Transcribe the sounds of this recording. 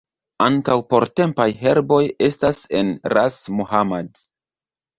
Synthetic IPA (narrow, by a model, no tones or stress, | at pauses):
aŋkawpo̞ɾte̞mpajɦe̞ɾbo̞je̞stase̞nɾasmuhamad